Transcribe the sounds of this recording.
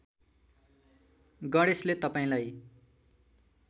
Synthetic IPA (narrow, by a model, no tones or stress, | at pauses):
ɡʌɽeslet̪ʌpaĩlaj